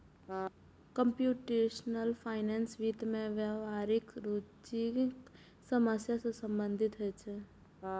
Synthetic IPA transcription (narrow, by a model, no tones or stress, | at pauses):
kə̃mpjuːʈeʃnəlpʰaːɪneːnsʋit̪mẽʋjaʋaːɾɪkɾut͡ʃik | səməsjasesə̃mbə̃nd̪ʱɪt̪ɦɛt͡ʃʰɛ